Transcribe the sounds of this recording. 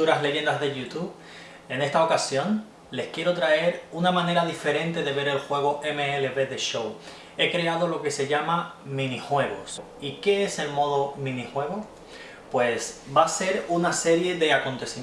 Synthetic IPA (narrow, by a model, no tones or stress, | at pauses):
uɾasle̞ʝe̞nd̪azðeʝut̪uβ | e̞ne̞st̪ao̞kasjõ̞n | le̞skje̞ɾo̞t̪ɾae̞ɾunamãne̞ɾaðife̞ɾẽ̞nt̪e̞ðe̞βe̞ɾe̞lxwe̞ɣ̞o̞ʔemeeleβe̞ðe̞ʃo̞w | e̞kɾe̞aðo̞lo̞ke̞se̞ʝamamĩnixwe̞ɣo̞̰s | ike̞ese̞lmo̞ðo̞mĩnixwe̞ɣ̞o̞ | pwe̞sbase̞ɾunase̞ɾje̞ðe̞ako̞nt̪e̞si